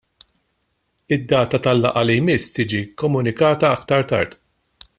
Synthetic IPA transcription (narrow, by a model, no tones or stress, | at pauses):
ɪd̪ːɐːt̪ɐt̪ɐlːɐ̰ʔɐlijmɪst̪iːd͡ʒikɔmʊnɪkɐːt̪ɐɐkt̪ɐɾt̪ɐ̰ɾt̪